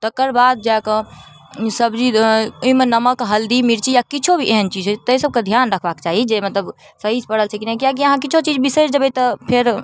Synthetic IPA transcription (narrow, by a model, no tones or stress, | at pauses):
t̪əkəɾbad̪̚d͡ʒakɔ̃ | səbd͡ʒiuɦimenəməkɦəld̪imiɾt͡ʃijakit͡ʃʰobʱiʔeɦənt͡ʃid͡ʒɦt̪əjsəb̚ked̪ʱjanɾəkʰbakt͡ʃaɦid͡ʒemət̪ləb | səɦid͡ʒpəɽ̤əlt͡ʃʰɛkinɛkijak̬iəɦãkit͡ʃʰot͡ʃid͡ʒbisesd͡ʒəbət̪əpʰeɾ